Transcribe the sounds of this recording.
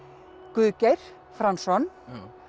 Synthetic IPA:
kʏːcejɾ̥ | fɾansɔn

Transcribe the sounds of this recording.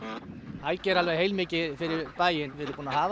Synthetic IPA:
hajcɛɾalvejɦejlmɪːcɪfɪɾɪɾpaːjɪnvɪðɛɾʏmpuːnaɦaːv

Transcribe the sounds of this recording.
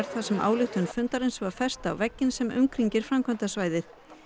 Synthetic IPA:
ɾ̥θasɛmʔa̰ːwlʏxt̪ʏnfʏnt̪aɾejnsvḁfɛr̥st̪a̰wvɛcːɪnsɛmʏ̰ŋkɾiɲcɪɾ̥fɾamkʰvœnt̪asvaːjðɪθ

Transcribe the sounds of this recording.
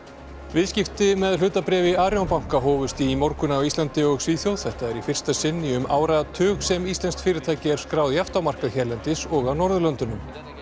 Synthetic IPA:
vɪðscɪft̪ɪmɛðl̥ʏːt̪apɾɛːvɪaːɾjonpawŋ̥kaɦɔːvʏst̪imɔɾkʏnawist̪lant̪ɪɔɣsiːθjowð̥θɛht̪aɛɾifɪr̥st̪asɪnːiʏmaːwɾat̪ʰʏːɣsɛmist̪lɛnst̪fɪːɾɪt̪ʰaːjcɪɛɾ̥skɾaːwðjaft̪awmar̥kaðçɛɾlɛnt̪ɪsɔɣawnɔɾðʏlœnt̪ʏnʏm

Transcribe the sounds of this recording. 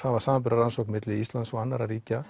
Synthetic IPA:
θavaɾ̥saːmamp̬ʏɾaransɔkmɪt̪lɪist̪lansɔanːaɾaɾiːca

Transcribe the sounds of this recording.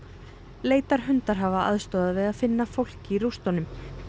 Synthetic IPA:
leːjt̪aɾ̥ɦʏnt̪aɾ̥ɦavaa̰ðst̪ɔːðaðvɪðaðfɪnːafowl̥cɪiɾust̪ɔnʏm

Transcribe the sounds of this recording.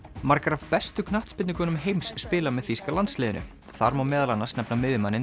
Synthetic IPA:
maɾkaɾavpɛst̪ʏkʰnaht̪spɪt̪nɪŋkɔnʏmɦejmsːpɪːlamɛðθfiskalant̪slɛːðɪnʏ̰ | θaɾmawmɛːðalanːḁsnɛpnamɪːvɪmanɪ

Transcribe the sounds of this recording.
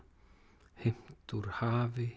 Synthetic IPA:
hɪm̥t̪uɾ̥haːvɪ

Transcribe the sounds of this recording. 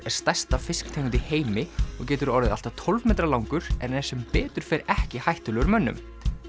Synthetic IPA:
ɛɾ̥st̪ɛst̪afɪskt̪ʰeːjkʏnt̪ɪheːjmɪɔɣcɛːt̪ʏɾɔɾðɪðal̥t̪at̪ʰɔlvmɛːt̪ɾalawŋkʏɾ̥ɛnɛ̥sɛmpɛːt̪ʏɾ̥fɛɾɛhcɪhajht̪ʏlɛɣʏɾmœnːʏ̰m

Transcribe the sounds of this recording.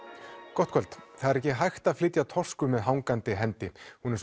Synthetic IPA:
kɔht̪kʰœlt̪θaðɛɾɛhcɪɦajxt̪aðflɪt̪jat̪ʰɔr̥skʏmɛðɦawŋkant̪ɪɦɛnt̪ɪhunɛɾs

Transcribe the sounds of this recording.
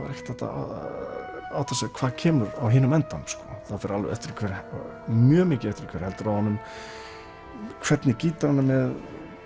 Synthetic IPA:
vaɾɛjht̪θɛht̪a̰ | awθɛsakʰvaːðcʰɛːmʏɾawɦɪːnʏmɛnt̪anskɔθaðfɪɾalvɛ̰ɛ̰ft̪ɪɾkʰvɛɾ | mjœːmɪːcɪɛft̪ɪɾkʰvɛɾ̥hɛlt̪ʏɾawhanːʏm | kʰv̥ɛt̪nɪciːt̪aanːamɛð

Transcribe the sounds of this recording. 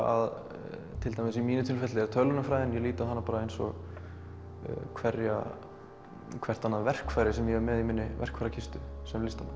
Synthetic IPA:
a̰ð | t̪ʰɪlt̪ajmɪsimiːnʏt̪ʰɪlfɛt̪lɪɛɾ̥t̪ʰœlːʏnʏmfɾaːjðɪnjɛliːt̪aanːapaːɾaejnsɔ̰ɣ | kʰvɛrja̰ | kʰvɛr̥t̪anːavɛr̥kfajɾɪsɛmjɛɣɛɾmɛðimɪnːɪvɛ̰r̥kfaɾjacʰɪst̪ʏsɛmlɪst̪aman

